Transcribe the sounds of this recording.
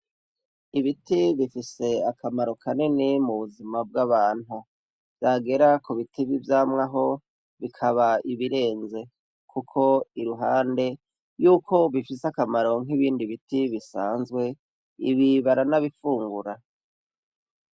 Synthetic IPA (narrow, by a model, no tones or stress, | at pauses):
iβitiβifise̞akʰamaɾo̞kʰanenemuβuzimab̚ɡaβaːn̥hu | v̥jaːɡe̞ɾakuβitiβivjaːmŋaɦo̞ | βikʰaβaiβiɾe̞ːnze̞ | kʰukʰo̞iɾuɦaːnde̞ | juːkʰo̞βifiseakamaɾo̞ŋ̥iβiːndiβitiβisa̰ːnzɡwe̞ | ḭβiβaɾanaβifuːŋɡuɾa